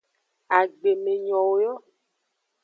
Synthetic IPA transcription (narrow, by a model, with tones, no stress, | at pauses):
a˨ɡ͡be˨me˨ɲɔ̃˨wo˨jɔ˦